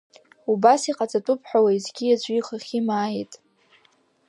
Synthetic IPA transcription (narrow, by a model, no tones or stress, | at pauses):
ubasiqʼat͡sʼatʼʊpʰʼħʷᶣawaizɡʲijad͡ʒʷʼiiχaχʲimaːjitʼ